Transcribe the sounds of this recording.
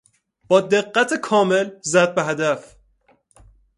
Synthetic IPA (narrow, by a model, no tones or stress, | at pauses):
b̥ɒːd̪eɢːæt̪ʰekʰɒːme̞lzæd̪̚beɦæd̪æf